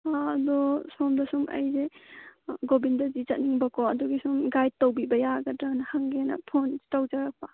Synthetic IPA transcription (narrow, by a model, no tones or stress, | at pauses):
aɐdɔsɔmdɐsumɐ̰jze | ɡobindɐzit͡ʃɐt̚niŋbɐkʰɔɐduɡisumɡaj̚towbibɐjaɡɐdɾanɐhaŋɡenɐ̰pʰontawd͡ʒaɾak̚pɐ